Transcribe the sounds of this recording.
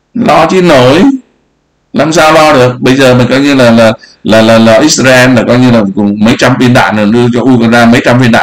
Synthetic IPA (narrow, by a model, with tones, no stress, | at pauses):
lɔ˧t͡ɕi˧˦no˨˦j | laː˨˩msaː˧wlɔ˧ɗɨ˨˩ək̚ɓə˧jzəː˨˩mï˨˩ŋ̟kɔ˨˦jɲɨ˧laː˨˩laː˨˩laː˨˩laː˨˩lɔː˧˩ʔi˦˥s̚zaː˧ʔɛ˧nlaː˨˩kɔ˨˧jɲɨ˧laː˨˩mi˨˩kʊ˨˩ŋ͡mmə˨˦jt͡ɕa˧mfi˧ənɗa̰ː˧˨nɨ˨˩ɗɨ˧ət͡ɕɔ˧ʔu˧ka˧˩nzaː˧mə˨˦jt͡ɕa˧mfi˧nɗa̰ː˧˨